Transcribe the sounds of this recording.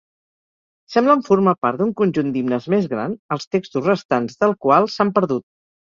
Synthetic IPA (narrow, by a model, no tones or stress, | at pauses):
sɛmbləɱfuɾmapaɾt̪d̪uŋkunʲʒund̪imnəzmezɣɾa̰nəlˠst̪ekst̪usrəst̪anzðəlˠkwalˠsampəɾðut̪̚